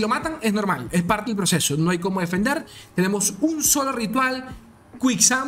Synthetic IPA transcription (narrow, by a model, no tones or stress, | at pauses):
lo̞mat̪aŋezno̞ɾmalespaɾt̪elpɾosesonoajko̞moðe̞fe̞nd̪eɾt̪ene̞mo̞sunso̞lorit̪wal | kwiksa